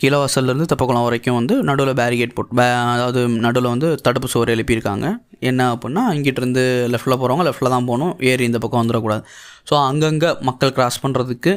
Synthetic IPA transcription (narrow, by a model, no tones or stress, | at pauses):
kiːlɐʋɐsɐlɪɾɯnd̪ɯt̪ɐpːɐkːɐɭɐ̃ʋɐɾɐkːʊ̃ʋɐnd̪ɯnɐɽɯlɐbaːɾɪkeʈ̚poːʈːbɐðaːʋɐðɯnɐɽɯlɐʋɐnd̪ɯt̪ɐɽɯpːɯsoːɾɐjɐlɪpːɐɪɾɯkːa̰ːŋɡɐ | ɛnːɐɐpːɪnːaːɪŋɡɪʈːɪɾɯnd̪ɯlɛfʈlɐp̬oːɾɐʋaːŋɡɐlɛfʈlɐt̪ãːpoːnʊ̃eːɾiɪnd̪ɐpːɐkːɐ̃ʋɐnd̪ɯɾɐkuːɽaːðɯsoːɐŋɡɐŋɡɐmɐkːɐɭkɾaːspɐɳːɾɐðɯkːɯ